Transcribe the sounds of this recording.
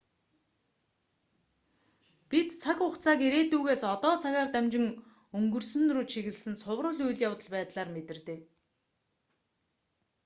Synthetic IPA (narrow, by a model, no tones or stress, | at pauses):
pit̪t͡sʰakʊkt͡sʰaːkiɾeːt̪uːɣeːsɔt̪ɔːt͡sʰaɣaːrt̪æmt͡ɕɪ̆ŋ | ɵŋɡɵ̆rsɵ̆nrʊːt͡ɕt͡ɕʰiɣɘ̆ɮsɘ̆nsʰʊwrʊ̆ːɮujɮjawt̪ə̆ɮpæːt̪ɮaːrmet̪ɘ̆rt̪eː